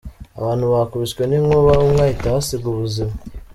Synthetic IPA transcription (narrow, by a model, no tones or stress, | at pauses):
a̰βaːn̤̥huβakuβiskweniŋoβaβomŋaːjitaβasiɡuβuzima